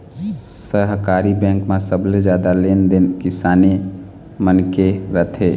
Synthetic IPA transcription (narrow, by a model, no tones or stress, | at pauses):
səɦkaːɾibɛ̃ːŋkmãsəbled͡ʒjaːd̪aleːnd̪enkɪsaːne | mənkeɾət̪ʰeː